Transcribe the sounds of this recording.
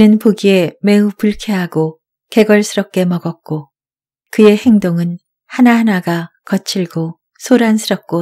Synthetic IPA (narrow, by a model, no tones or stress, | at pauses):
inɯnpoɡie̞me̞upuɭkʰeɦaɡo | ke̞ɡʌɭs͈ʰɯɾʌp̚k͈e̞mʌɡʌk̚k͈o | kɯe̞he̞ŋdoŋɯn | hanahanaɡakʌt͡ɕʰiɭɡo | sʰoɾansʰɯɾʌp̚k͈o